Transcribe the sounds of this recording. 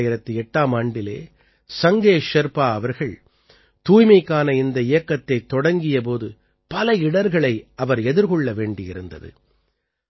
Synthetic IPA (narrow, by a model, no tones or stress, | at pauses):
jɪɾɐt̪ːɯɛʈːaːmaːɳɖɪlḛː | sɐŋɡeːʂɐɾpaːɐʋɐɾɣɐɭ | t̪uːjmɐɪkːaːnɐɪnd̪ɐɪjɐkːɐt̪ːɐɪt̪ːɔɽɐŋɡɪjɐp̬oːðɯ | pɐlɐɪɽɐɾɣɐɭɐɪʔɐʋɐɾɛðɪɾɣɔɭːɐʋeːɳɖɪjɪɾɯnd̪ɐ̰ðɯ̰